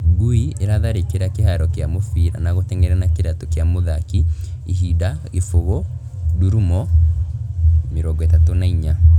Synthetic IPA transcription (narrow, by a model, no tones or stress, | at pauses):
ɡuieɾaðaɾekeɾakeɦaɾɔkeamofiɾa̰naɣotɛŋɡɛɾɛnakeɾatokjamoðakiiɦidaefoɣɔ | duɾumɔ | meɾɔːŋɡɔetatonaiɲa